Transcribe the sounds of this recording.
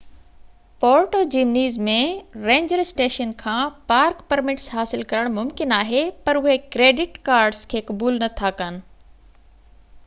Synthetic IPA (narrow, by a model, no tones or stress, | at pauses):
poːɾʈoːd͡ʑiːmniːzmẽɾẽːɲd͡ʑəɾɪsʈeːʃənkʰãːpaːɾkpɐɾmɪʈsɦaːsɪlkɐɾəɽ̃mʊmkɪnaːɦepɐɾʊɦekɾeːɖɪʈkaːɾɖzkʰeːkɐbuːlnɐt̪ʰakənɪ̆